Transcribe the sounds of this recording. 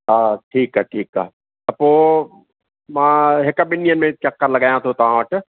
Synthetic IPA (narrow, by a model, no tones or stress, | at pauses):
aːʈʰiːkaʈʰiːka̰ | ɐpoː | maɦekɐbɪnjənmẽt͡ʃɐkːəɾlɐɡaːjãt̪ʰot̪ãːʈ